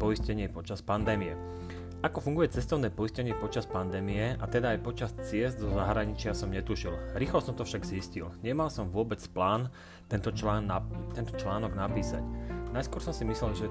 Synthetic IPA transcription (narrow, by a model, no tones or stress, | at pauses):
pɔiscɛɲɪɛpɔt͡ʃaspand̪ɛːmijɛ | ʔakɔfuŋɡujɛt͡sɛst̪ɔʊnɛːpɔiscɛɲɪɛpɔt͡ʃaspand̪ɛːmiɛat̪ɛd̪aːjpɔt͡ʃast͡sɪɛzd̪zɔzaɦɾaɲit͡ʃɪasɔmɲɛt̪uʃilɾiːxlɔsɔmt̪ɔfʃaɡziscilɲɛmalsɔmʋʊɔbɛt͡splaːn | t̪ɛnt̪ɔanat̪ɛnt̪ɔt͡ʃlaːnɔɡnapiːsa̰cnajskʊɔɾsɔmsimislɛlʒɛ